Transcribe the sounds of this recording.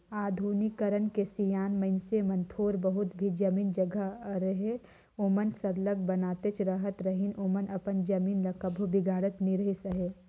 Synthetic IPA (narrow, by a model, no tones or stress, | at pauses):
aːd̪ʱuːnɪkːɐɾənkesijaːnmɐɪnsemɐ̃nt̪ʰoːɾbəɦʊt̪bʱid͡ʒɐmiːnd͡ʒɐɡʱəɾəɦe | omənsɐɾləɡ̚bɐnaːt̪et͡ʃɾəɦət̪ɾɐɦɪnomənɐpənd͡ʒɐmiːnlɐkəbʱobɪɡʱaːɽət̪niɾəɦesɐɦe